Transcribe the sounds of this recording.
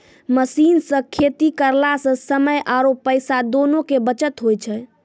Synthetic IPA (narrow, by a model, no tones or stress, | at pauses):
məsinsə̃kʰet̪ikəɾlasə̃səməjʔaɾopːəjsad̪onokebət͡ʃət̪ɦojt͡ʃʰɛ